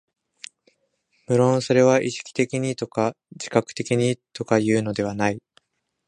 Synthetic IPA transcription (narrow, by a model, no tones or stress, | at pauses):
mɯ̟ɾõ̞ɰ̃so̞ɾe̞β̞aʔiɕi̥kʲi̥t̪e̞kʲiɲ̟it̪o̞ka | d͡ʑi̥kakɯ̟̥t̪e̞kʲiɲ̟it̪o̞kajɯ̟ːno̞d̪e̞βanai